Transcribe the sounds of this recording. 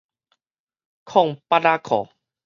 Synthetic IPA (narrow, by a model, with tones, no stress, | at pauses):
kʰɔ˥˧˨ŋpa˧ɾa˧kʰɔ̰˨˦